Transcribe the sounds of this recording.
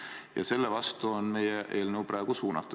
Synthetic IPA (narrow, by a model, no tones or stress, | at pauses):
jɑ̰se̞lːevɑst̪uonme̞jeʔe̞ːlnəwprɑeɡ̥usuːnɑt̪ːˑu̥